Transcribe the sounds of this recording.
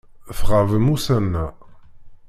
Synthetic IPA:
fʁavəmusænːa

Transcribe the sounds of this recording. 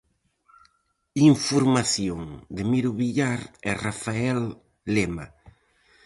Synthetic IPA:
iɱfoɾmaθjoŋd̪ɪmiɾʊβiʎaɾɛrafaɛlː | ema̰

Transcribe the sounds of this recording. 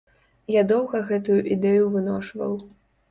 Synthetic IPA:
jad̪ɔwɣɐɣɛt̪ujuʔid̪ɛjuvɨnɔʂvɐ̰w

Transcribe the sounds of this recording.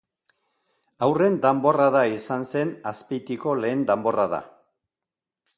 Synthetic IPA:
awre̞nd̪embo̞raðaisanse̞naspijt̪iko̞le̞ːnd̪embo̞raða̰

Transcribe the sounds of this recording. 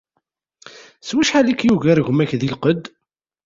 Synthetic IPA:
swiʃħalikːjuɣæɾʝʷmæçðilqəd̪

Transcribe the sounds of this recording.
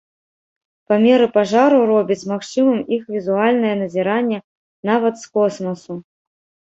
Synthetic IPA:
pamʲɛɾɨpaʐaɾuɾɔbʲit͡sʲmaxt͡ʂɨmɐmixvʲizualʲnɐjɐnɐzʲiɾanʲːɛ | navɐt̪skɔsmɐsu

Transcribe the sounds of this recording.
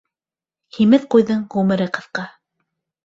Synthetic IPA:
himɘθqujðɤɴʁʉmɘ̆ɾɘqɤ̆θqɑ

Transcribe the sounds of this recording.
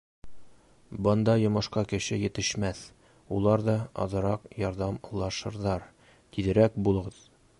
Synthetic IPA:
bɒnd̪ɑjŏmɤ̆ʃqɑkɘ̆ɕɘjɘ̆t̪ɘ̆ʃmæθ | ulˠɑɾd̪ɑɒ̰ðɤ̆ɾɑqjɒɾd̪ɑmɤ̆lˠːɑʃɤ̆ɾðɑɾ | t̪id̪ɘ̆ɾækbulˠɤ̆ʁɤð̥

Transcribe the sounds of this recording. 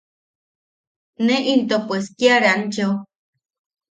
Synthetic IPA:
neʔint̪opeskiaɾant͡ʃe

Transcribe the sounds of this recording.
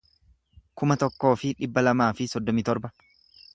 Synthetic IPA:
kʊmɐt̪ɔkːo̞ːfɪᶑɪbːɐlɐmaːfɪsɔd̪ːɔmɪt̪ɔɾbɐ

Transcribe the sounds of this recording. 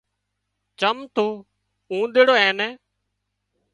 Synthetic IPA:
t͡ʃəmt̪uː | ũːɗ̪eːɽoːɛːnɛː

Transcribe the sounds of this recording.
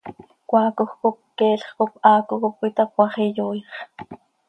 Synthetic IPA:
kʷɑːkoxkop̚kɛːɬχkopʔɑːkokop̚kʷit̪ɑkwɑχijuːjχ

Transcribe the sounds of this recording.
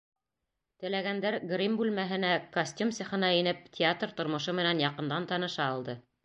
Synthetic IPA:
t̪ɘ̆læɡænd̪æɾɡrʲimbʉlmæɦɘ̆nækɐsʲt̪ʲumsiχɤ̆nɑinɘp̚tʲɪat̪rt̪ŏɾmŏʃomɘ̆nænjɑqɤ̆nd̪ɑnt̪ɑnɤ̆ʃɑːlˠd̪ɤ

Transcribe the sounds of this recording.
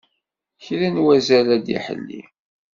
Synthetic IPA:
çɾænwæzælæd̪ḭħə̰lːḭ

